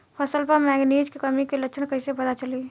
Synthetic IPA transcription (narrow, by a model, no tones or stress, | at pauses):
pʰəsəlpəɾmɛɡniːd͡ʒkekəmikeləkt͡ʃʰənkəɪsepəd̪at͡ʃəli